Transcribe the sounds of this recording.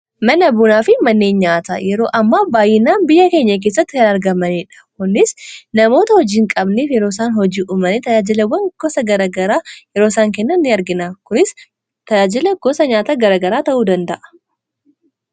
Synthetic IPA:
mɐnɐbʊnaːfɪmɐnːeːnɲaːt̪a̰ːjɛɾo̞ːʔɐmːabaːjɪnaːnbɪjːɐkeːɲːɐk̬e̞ːs̬ːɐt̪ːɪkɐnɐɾɡɐmɐneːᶑɐ̥kʊnːɪsnɐmo̞ːt̪ɐhɔd͡ʒiːŋkʼɐbneːfjɛɾo̞ːsaːnhɔd͡ʒiːʔʊmɐnɛt̪ɐjaːd͡ʒɪlɐwːɐŋɡɔsɐɡɐɾɐɡɐɾaːjɛɾoːsaːŋkɛnːɐnːɪɐɾɡɪnaːkʊnɪs | t̪ɐjaːd͡ʒɪlɐɡ̥ɔsɐɲaːt̪aɡɐɾaːɡɐɾaːt̪ɐʔuːd̪ɐnd̪ɐʔɐ̥

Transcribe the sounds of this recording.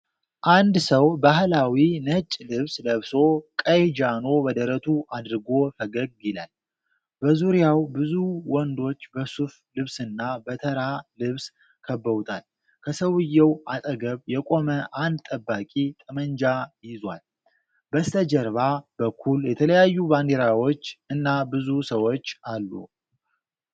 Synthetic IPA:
ʔand̪səwbaɦlawinət͡ʃʼːlɨβsləβso̞kʼəjd͡ʒano̞bəd̪əɾət̪ʰuʔad̪ɨɾɨɡo̞fəɡəɡ̚jɪlal | bəzuɾijawbɨzuwɔnd̪o̞t͡ʃːbəsuf | lɨβsɨnːabət̪ʰəɾalɨβs | kʰəbːəwt̪ʰal | kʰəsəwɨjːɛwat̪ʼəɡəβjɛkʼo̞məʔand̪t̪ʼəbːakʼit̪ʼɨmənd͡ʒajɪzwal | bəst̪ʰəd͡ʒəɾβabəkʰːuljɛt̪ʰələjajːuband̪eɾawo̞t͡ʃːɨnːabɨzusəwo̞t͡ʃːalːṵ

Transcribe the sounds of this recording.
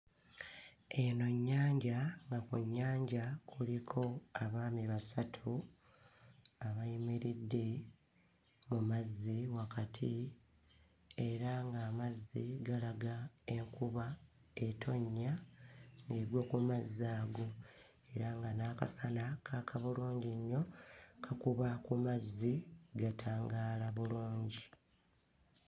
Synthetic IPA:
e̞no̞ɲːaːɲɟaŋɡakuɲːaːɲɟakʰulikʰo̞aβaːmiβasatʰu | aβajimeɾidːe̞ | mumazːiwakatʰi | e̞ɾaŋɡaːmazːiɡalaɡae̞ŋkuβa | e̞tʰo̞ɲːaŋɡe̞ɾwo̞ːkumazːaːɡo̞ | e̞ɾaŋɡanaːka̰sanakʰaːkʰaβuluːɲɟiɲːo̞kʰakuβakumazːiɡatʰaːŋɡaːlaβuluːɲɟi

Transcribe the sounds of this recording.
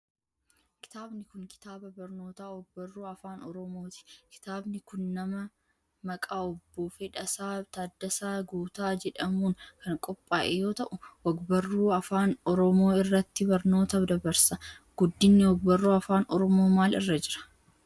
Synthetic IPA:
kɪ̥t̪aːbnɪkʊŋkɪ̥t̪aːbɐbɐɾnoːt̪aːwɔɡ̚bɐrːuːɐfaːnɔɾɔmoːt̪ɪ̥kɪ̥t̪aːbnɪkʊnːɐmɐ | mɐkʼaːɔbːoːfɛᶑɐsaːt̪ad̪ːɐsaːɡuːt̪aːd͡ʒɛᶑɐmuːŋkɐŋkʼɔpʼːaːʔejo̞ːt̪ɐʔʊwɐɡbɐrːuːɐfaːnɔɾɔmo̞ːɪrːɐt̪ːɪbɐɾno̞ːt̪ɐd̪ɐbɐɾsɐ | ɡ̥ʊd̪ːɪnːɛwɔɡ̚bɐrːuːɐfaːnɔɾɔmo̞ːmaːlɪ̰rːɐd͡ʒɪɾɐ̥

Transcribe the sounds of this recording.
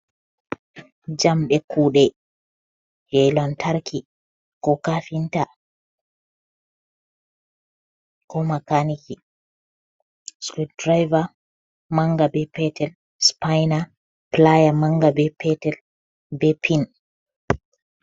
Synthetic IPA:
d͡ʒamɓɛkʰuːɗɛ | d͡ʒɛjlɔntʰaɾkʰi | kɔkafinta | kɔmakaniki | skit̚dɾajva | maŋɡabɛpɛtɛl | spajna | plajamaŋɡabɛpʰɛtɛl | bɛpʰin

